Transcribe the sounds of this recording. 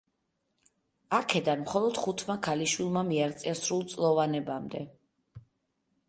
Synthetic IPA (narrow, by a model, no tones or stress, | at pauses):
akʰɛd̪anmχɔlˠɔd̪̥χut̪ʰmakʰaliʃwilˠmamiaɾt̪sʼiasɾulˠt̪sʼlˠɔvanɛbamd̪ɛ